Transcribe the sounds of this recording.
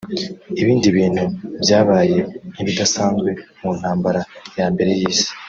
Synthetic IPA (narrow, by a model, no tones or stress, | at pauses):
iβiːndiβiːn̥hubjaːβaːje̞niβidasaːnzɡwe̞ | mun̥haːmbaɾajaːmbe̞ɾe̞jiːsi̥